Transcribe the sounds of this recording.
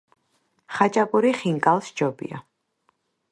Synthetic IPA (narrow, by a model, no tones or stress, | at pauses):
χat͡ʃʼapʼuɾiχiŋkʼalˠsd͡ʒɔbḭa̰